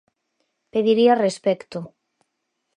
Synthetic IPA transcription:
peðiɾiarespɛkt̪ʊ

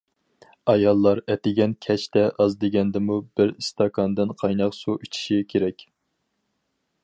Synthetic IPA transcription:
ɑjɑlˠːɑɾɛt̪ɪɡʲɛnkʲʰɛt͡ʃt̪ɛʔɑzd̪eɡʲɛnd̪ɪmubɪɾst̪ʰɑkʰɑnd̪ɨnqʰɑjnɑqsuʔyt͡ʃʰi̥ʃikʲʰeɾɛkʲ

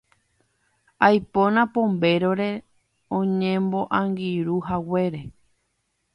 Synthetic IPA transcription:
ajpõnãpõ̞mbe̞ɾoɾe̞ | õɲẽmbo̞ʔãŋɡiɾuɦawe̞ɾe̞

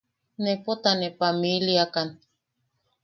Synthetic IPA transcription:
nepot̪anepamiliakan

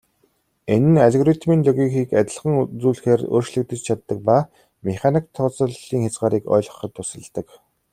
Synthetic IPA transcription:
enɘ̆naɮeɣɔɾit̪miːnɮɔɣʲixiːkat̪ʲɪ̆ɮχə̆ŋt͡suːɮxeːro̰ːrt͡ɕɮɘ̆k̚t̪ɘ̆t͡ɕt͡ɕʰat̪ːə̆k̚pa | meχʲanik̚t̪ʰːɔt͡sə̆ɮiːŋxʲat͡sɢaːɾiːkɔ̰ːɮʁɞ̥̆χɞ̆t̪ʰːʊsə̆ɮt̪ə̆k

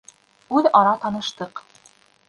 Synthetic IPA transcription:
ʉðɑɾɑt̪ɑnɤ̆ʃt̪ɤq

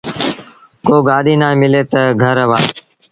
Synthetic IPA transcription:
koːɡaːɗiːnãːẽːmɪleːt̪əɡʱəɾəʋaː

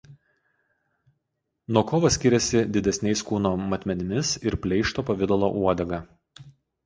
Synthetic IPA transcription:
nuɔkɔːʋɐsʲkʲɪɾʲɛsʲɪd̪ʲɪd̪ʲɛsʲnʲɛɪskuːnoːmɐt̪ʲmʲɛnʲɪmʲɪsɪɾpʲlʲɛɪʃt̪oːpɐʋʲɪd̪ɐlˠo̰ʔuɔd̪ʲɛɡɑː

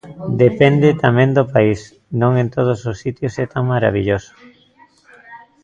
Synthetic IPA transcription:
d̪epɛnd̪et̪amẽnd̪opais | nõŋẽnt̪oð̞ososːit̪josɛt̪aŋmaɾa̰β̞iʎoso̥

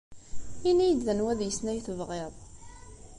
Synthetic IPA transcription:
inijəd̪ðənwæðjəsnæjθəvʁeðˤ

